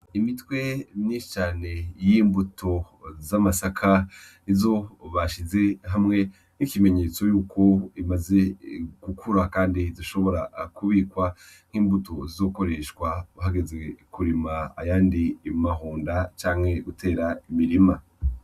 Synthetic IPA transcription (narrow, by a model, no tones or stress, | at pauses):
imitwe̞niʃi̥t͡ʃaːne̞jiːmbutʰo̞ | zamasakʰa | izo̞βaʃize̞ɦamŋe̞ | n̥ikime̞ɲe̞t͡so̞juːkʰo̞imaze̞ɡ̥ukʰuɾakaːndiziʃo̞βo̞ɾa̰kuβikwa | ŋ̥hiːmbuto̞zizo̞ːko̞ɾe̞ʃkwaβuɦaɡe̞zwe̞kuɾima̰ːjaːndiːmaɦuːndat͡ʃaːŋ̥he̞ɡutʰe̞ːɾaimiɾima